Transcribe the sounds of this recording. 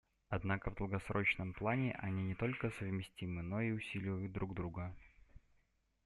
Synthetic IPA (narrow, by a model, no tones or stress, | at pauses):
ɐd̪nakəvd̪əlˠɡɐsɾo̞t͡ɕnəmplˠanʲɪʔɐ̰nʲinʲɪt̪o̞lʲkəsəvmʲɪsʲtʲimɨno̞iʊsʲilʲɪvəjʊt̪̚d̪ɾuɡd̪ɾuɡə